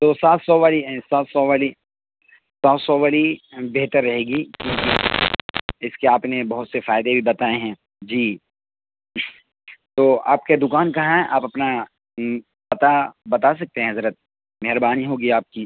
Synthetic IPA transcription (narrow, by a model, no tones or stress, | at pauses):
t̪oːsaːt̪sɔʋaːlisaːt̪sɔʋali | sɔːt̪sɔʋaːlibeɦt̪əɾːɐɦeːɡiːkjõːki | ɪskeaːpnebɐɦʊt̪sefaːɪd̪ebʱibɐt̪aːeɦɛ̃ː | d͡ʒiː | t̪oːa̰ːp̚ked̪ʊkaːnkaɦɛʔa̰ːpɐpna | pɐt̪abɐt̪as̬ɐk̚t̪eɦɛ̃ɦɐzɾət̪̚ | mɛɦɾbaːniɦoːɡiaːp̚ki